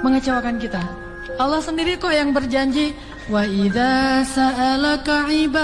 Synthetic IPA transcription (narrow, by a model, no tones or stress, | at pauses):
məŋət͡ʃawakankit̪a | ʔalːahsəndiɾikɔjaŋbərd͡ʒaɲd͡ʒi | waʔiðasaʔalakaʕiba